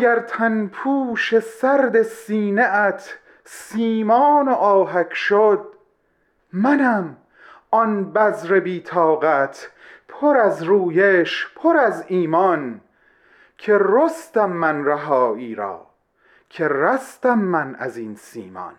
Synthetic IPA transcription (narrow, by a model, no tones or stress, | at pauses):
ɡæɾt̪ʰænpʰuːʃe̞sæɾd̪e̞siːneæt̪ʰ | siːmɒːnoʔɒːɦækʰʃod̪̚ | mænæm | ɒnbæzɾe̞biːt̪ʰɒːɣæt̪ʰ | pʰoɾæzɾuːjeʃpʰoɾæziːmɒn | kʰe̞rost̪æmːænræɦɒːiːɾɒ̰ː | cʰe̞ræst̪æmːænæ̰zinsḭːmɒ̰n